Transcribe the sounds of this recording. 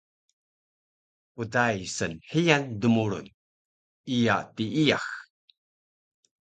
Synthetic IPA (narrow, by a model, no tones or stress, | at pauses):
utajsənħijandəmuɾṵn | ija̰tiijax